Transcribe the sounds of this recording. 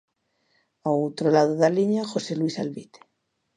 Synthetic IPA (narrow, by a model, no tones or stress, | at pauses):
aot̪ɾolað̞oðaliɲaxo̞seluisalβit̪e̥